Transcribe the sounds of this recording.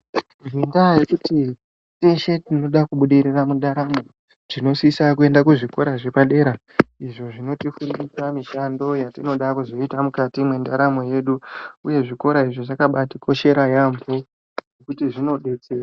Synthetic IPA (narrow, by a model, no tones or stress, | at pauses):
vindaje̞kuti | teʃe̞tino̞ɗakuɓuɗiriramundaɾamo̞ | ʐ̥ino̞sisak̬ue̞ndakuʐiko̞ɾaʐepaɗe̞ːɾa | iʐo̞ʐino̞tifundisamiʃando̞jatino̞ɗakuzo̞itamukatimwe̞ndaɾamo̞je̞ɗuuje̞ʐiko̞ɾaiʐoʐakaɓatikʰo̞ʃe̞ɾajambo̞ | nekutiʐino̞ɗe̞t͡seːra